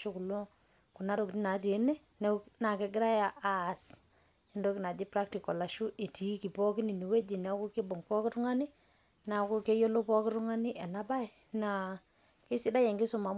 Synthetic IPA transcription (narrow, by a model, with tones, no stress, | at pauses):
ʃo˦ku˨lo˦ | ku˨na˦ɾo˨kni˦na˨˦te˨˦nɛ˦ | ne˦na˨kɛ˨ɡɪ˦ɾa˦ja˨ʔa˨s | i˦ndo˦ki˨na˨d͡ʒi˦pɾa˦k̚ti˨kɔ˨la˨ʃu˦ʔe˨ti˨˦ki˨pɔ˦ki˦ni˨ni˨we˦d͡ʒi˨n˨a˦ku˦ke˦bo˨ŋpɔ˦kɪ˦ɾu˦ŋa˦ni˦ | na˨˦ku˦ke˦jo˦lo˦pɔ˦kɪ˦ɾu˦ŋa˦ni˦ʔɛ˨na˦ba˦i˨ | na˨ | ke˦si˦da˦je˨ŋɡe˦sʊ˦ma˨m